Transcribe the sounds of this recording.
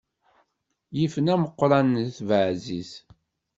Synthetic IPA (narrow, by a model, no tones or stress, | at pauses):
jifənæməqːɾˤɑnθvʕziz